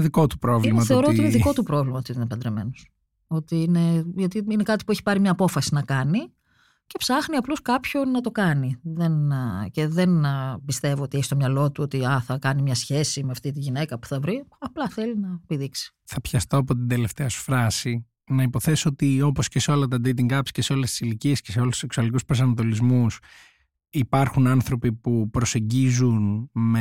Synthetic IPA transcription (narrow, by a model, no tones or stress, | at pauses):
ðiko̞t̪u̥pɾo̞vlimɐθe̞o̞ɾooiineðiko̞t̪upɾo̞vlimɐot̪it̪inpɐnd̪ɾeme̞̰nos | o̞t̪iine̞ʝɐt̪iine̞kɐt̪i̥pueçi̥pɐɾimɲɐːpo̞fɐsinɐkɐni | ce̞psɐxniɐploskɐpço̞nɐt̪o̞kɐniðe̞nce̞ðe̞npist̪e̞voot̪ieçist̪omɲɐlo̞t̪uo̞t̪iɐθɐkɐnimɲɐsçe̞simeɐft̪it̪̬iʝine̞kɐpu̥θɐvɾiɐplɐθe̞linɐpiðiksi̥ | θɐpçɐst̪oɐpo̞t̪̬ind̪e̞le̞ft̪e̞ɐsu̥fɾɐsi | nɐipo̞θe̞soot̪io̞posceseo̞lɐt̪ɐd̪et̪̬iŋɡɐpsce̞seo̞lest̪i̥siliciescese̞o̞lust̪u̥seksuɐlikuspɾos̬ɐnɐt̪o̞lizmus | ipɐɾxunɐnθɾo̞pipupɾose̞ɲɟizunme